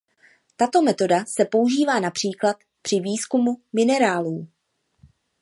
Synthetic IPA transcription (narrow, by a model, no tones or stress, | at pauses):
t̪at̪o̞mɛt̪o̞dasɛpo̞uʒiːvaːnapr̥iːklat̪ | pr̥ɪviːskumumɪnɛɾaːluː